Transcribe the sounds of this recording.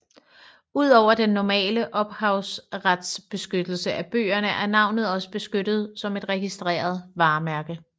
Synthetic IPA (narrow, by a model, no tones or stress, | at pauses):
uð̞̰ˠɒʊ̰ɐd̥enːɒmɛ̰ːləʔɒ̽b̥hɑ̈ʊsʁad̥sb̥e̝sɡ̥ød̥l̩səʔæb̥ø̰ːɐnəʔæɐnɑ̈ʊnð̞̩ˠɒ̽sə̥b̥e̝sɡ̥ød̥ð̞̩ˠsɒ̽me̝d̥ʁɛɡ̥isd̥ʁḛːɐð̞ˠʋɑ̈ːmæɐɡ̥ə